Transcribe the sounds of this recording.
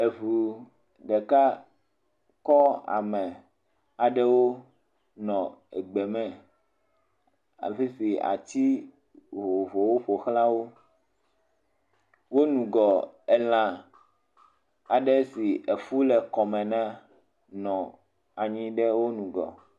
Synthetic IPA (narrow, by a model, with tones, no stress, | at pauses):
e˨vu˨ | ɖɛ˨ka˦ | kɔ˦a̰˨mɛ̃˨ | a˨ɖɛ˦wo˦ | nɔ̃˨ɛ˨ɡ͡bɛ˨mɛ̃˦ | a̰˨fe˦si˨a̰˨t͡ɕi˦ | ɦo˨vo˨wo˦ɸo˨xla˦wo˦ | wo˦nũ˨ɡɔ˨ɛ˨l̃ã˨ | a˨ɖɛ˦si˨e˨fu˦lɛ˨kɔ˨mɛ̃˨nã˦ | nɔ̃˨ | a˨ɲĩ˦ɖɛ˦wo˦nũ˨ɡɔ̰˨